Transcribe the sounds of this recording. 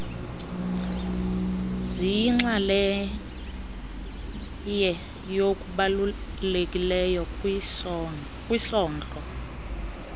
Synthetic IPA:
ziŋ͡ǁalɛ | jɛ | jokʼuɓallekʼilɛjɔ | kʼwisɔːnd͡ɮʼɔ

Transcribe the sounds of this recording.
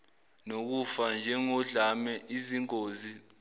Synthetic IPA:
nok̬ufand͡ʒʱɛŋɔɮamɛʔiziŋoːzi

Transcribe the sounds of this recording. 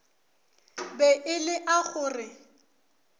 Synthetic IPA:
bɛʔɪlɪʔaχʊːrɪ

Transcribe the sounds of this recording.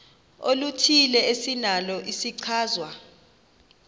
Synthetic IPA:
olutʰilɛesinalɔʔisiǀʰaːzwa

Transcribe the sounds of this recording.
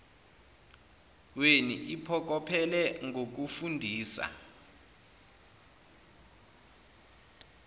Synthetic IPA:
weniʔipʰɔk̬ɔpʰɛlɛŋok̬ufundʱiːsa̰

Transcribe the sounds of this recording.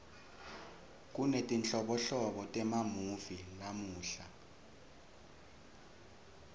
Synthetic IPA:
k̬ʼunetʼint͡ɬʼɔɓɔɬɔɓɔtʼɛmamuvilamuːɬa

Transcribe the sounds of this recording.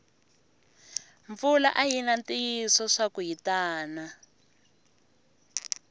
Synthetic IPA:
ɱfula̰ʔaɦinantiisɔʂakuɦitaːna

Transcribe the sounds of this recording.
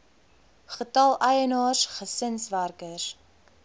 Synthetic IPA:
χətɐlˠəjənɑːsχəsənsværkəs

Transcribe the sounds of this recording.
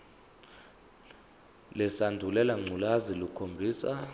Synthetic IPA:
lɛsandʱulɛlaŋ͡ǀʱulazilukʰombʱiːsa

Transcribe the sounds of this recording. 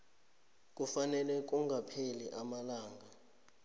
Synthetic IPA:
k̬ʼufanɛlɛk̬ʼuŋɡʱapʰeliʔamalaːŋɡʱa

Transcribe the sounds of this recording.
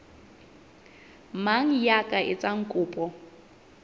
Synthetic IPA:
maŋ̩jakʼaʔɪt͡sʼaŋ̩kʼʊːpʼɔ

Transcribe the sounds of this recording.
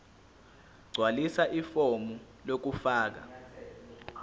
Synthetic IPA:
ɡ͡ǀʱwalisaʔifomu | lok̬ufaːk̬a̰

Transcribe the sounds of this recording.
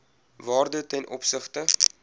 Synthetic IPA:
vɑːrdətɛnʔɔpsəχtə

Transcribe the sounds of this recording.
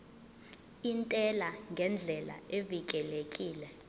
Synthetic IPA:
intʼɛlaŋɡʱɛnd͡ɮʱɛla̰evik̬ʼɛlekʼiːlɛ

